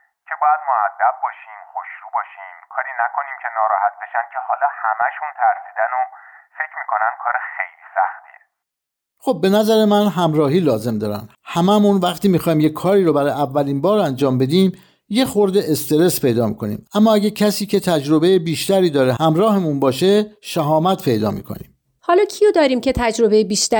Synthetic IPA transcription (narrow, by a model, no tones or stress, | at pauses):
cʰe̞bɒːjæd̪moæd̪ːæb̚bɒːʃiːmχoʃɾuːbɒːʃiːmkʰɒːɾiːnækʰo̞niːmcʰe̞nɒːɾɒːhæt̪̚be̞ʃænd̪̥̚cʰe̞hɒːlɒːhæmæʃunt̪ʰæɾsiːd̪ænofecʰɾmiːkʰonænd̪̥̚kʰɒːɾexejliːsæ̰xt̪ʰḭːe | xob̚ːe̞næzæɾe̞mænɦæmɾɒːɦiːlɒːze̞md̪ɒːɾæ̰nd̪ | hæmæmunvæχt̪iːmixɒːhiːmjekʰːɒːɾiːɾobæɾɒːjævːæliːnbɒːɾænd͡ʒɒːmbe̞d̪iːm | je̞xoɾd̪e̞ʔest̪e̞ɾe̞spʰe̞jd̪ɒːmḭːkʰo̞nḭːmæmːɒːæɟæcʰæsiːcʰe̞t̪ʰæd͡ʒɾo̞be̞jebiːʃt̪æɾiːd̪ɒːɾehæmɾɒːɦemunbɒːʃe̞ʃæɦɒːmæt̪pʰe̞jd̪ɒːmḭːkʰo̞̰nḭːm | hɒːlɒːcʰijod̪ɒːɾiːmcʰe̞t̪ʰæd͡ʒɾo̞be̞jebiːʃt̪æ